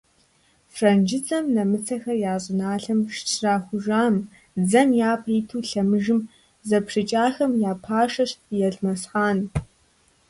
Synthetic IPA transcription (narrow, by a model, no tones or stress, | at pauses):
frɐnd͡ʒɪt͡sʰʼɐmnɐmɨt͡sʰɐxɐrjaːɕʼɪnaːɬɐmʂtʰraːxʷʊʒaːm | d͡zɐmjaːpʰʼriːtʰuːɬɐmɨʒɨm | zɐpʂɨt͡ʃʼaːxɐmjaːpʰaːʂɐɕjɛɮmɐsħaːn